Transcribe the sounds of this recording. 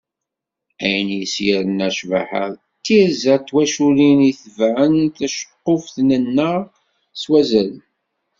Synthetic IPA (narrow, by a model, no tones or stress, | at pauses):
æjənjəsjəɾənæʃvaħə̰ð | t̪ːiɾzət̪ːwæʃuliniθəvʕənt̪æʃə̥qːofθnənːəʁ | swæzæl